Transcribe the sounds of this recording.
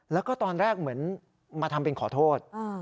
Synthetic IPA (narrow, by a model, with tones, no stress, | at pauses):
lɛː˦˥wkɔː˥˩t̪ɔː˧nɾɛː˥˩k̚mɯ˩˦ən | maː˧t̪ʰa˧mpe˧nkʰɔː˩˦t̪ʰoː˥˩t̪̚a˧˩